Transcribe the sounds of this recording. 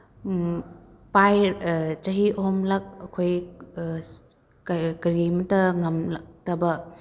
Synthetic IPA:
pajɾt͡ʃɐɦiʔoɦomlɐk̚ɐkʰoj | kkɐɾimɐtɐŋɐmlɐk̚tɐbɐ

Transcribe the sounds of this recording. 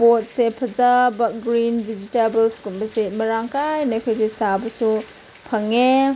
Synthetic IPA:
pot̚sepʰɐzabɐɡɾindid͡ʒitabelskumbɐsemɐɾaŋkajnakʰojdisabɐsu | pʰɐŋe

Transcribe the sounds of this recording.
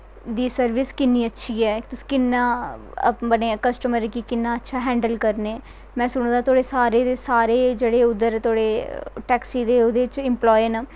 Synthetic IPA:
d̪iːsəɾʋɪskɪnːiːətːʃʰiːɛːt̪ʊsi̥ːkɪnːãː | bənẽːkəsʈəməɾkiːkɪnːãːətːʃʰaːɦɛ̃ːɳɖəlkəɾneː | mɛ̃ːsʊɽ̃ːd̪aːt̪ʰoːɽeːsaːɾeːd̪eːsaːɾeːd͡ʒeːɽeːʊd̪əɾt̪ʰoːɽeːʈɛːksiːd̪eːoːd̪eːt͡ʃɪmplɔːjɪnː

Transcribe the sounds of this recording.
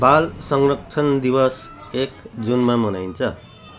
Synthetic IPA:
balsʌŋrʌkt͡sʰʌnd̪ibʌsekd͡zunmamʌnajnt͡sʰʌ

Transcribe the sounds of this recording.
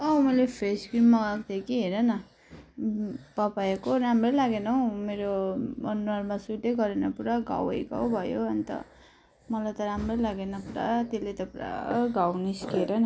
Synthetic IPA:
ʌmʌlepʰeskrimːaɡakt̪ekiɦeɾʌnʌ | pʌpajekoɾamrʌlaɡenʌw̃meɾoʌnuarmasuʈeɡʌɾenʌpuɾaɡa̰wʌjɡa̰wbʱʌjoʌnit̪ʌ̰ | mʌlajt̪ʌɾamrʌjlaɡenʌpuɾa̰t̪elet̪ʌpa̰ɡawniskeɾʌnʌ

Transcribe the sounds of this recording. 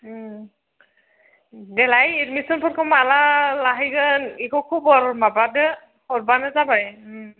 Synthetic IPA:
dɛlajidmisɔnpʰɔtkɔmalalaɦiɡanikɔkʰubɔɹmabadɛ | hɔɹbanɛzabaj

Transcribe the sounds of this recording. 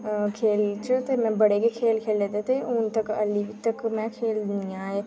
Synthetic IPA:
kʰeːlt͡ʃot̪eːmɛ̃ːbəɽekekʰeːlkʰeːlːeːd̪et̪eʊnt̪əkə̰libit̪əkmɛ̃ːkʰeːld̪ɪjãːɦeː

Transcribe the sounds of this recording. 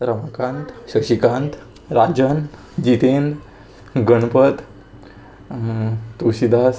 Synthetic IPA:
ɾəmakãnt̪ɕəɕikãnt̪ | ɾad͡ʑən | d͡ʑit̪end̪ | ɡəɳpət̪ | t̪uɕid̪as

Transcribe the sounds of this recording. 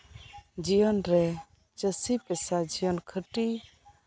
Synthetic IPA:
d͡ʒijɔnɾɛ | t͡ʃəsipɛsad͡ʒijɔnkʰəʈi

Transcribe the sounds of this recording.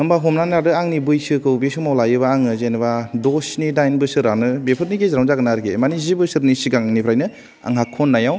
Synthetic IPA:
ɯmbaɦɔmnanadɯaŋnibɯjsɯkɯwbesumawlajɯbaːŋɯzenbadosnidajnbɯsɯɾanɯbepʰɯɾniɡezɾawzaɡɯnaɾɡemanizibɯsɯɾnisiɡaŋnipʰɾajnɯ | a̰ŋɦakʰonːajaw

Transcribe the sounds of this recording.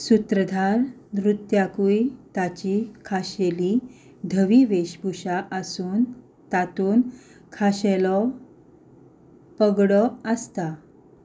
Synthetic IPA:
sut̪ɾəd̪ʱaɾnɾut̪jakuit̪at͡ɕikʰaɕeli | d̪ʱəʋiʋeɕbuɕaʔəsuːn | t̪at̪uːnkʰaɕelɔ | pəɡɽɔəst̪a

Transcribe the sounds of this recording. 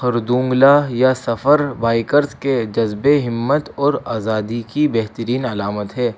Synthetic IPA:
xɐɾd̪ũːŋɡlaːjasɐfəɾbaːɪkəɾzked͡ʒɐzbeɦɪmːət̪ɔːɾaːzaːd̪ikibɛɦt̪əɾiːnɐlaːmət̪ɦɛː

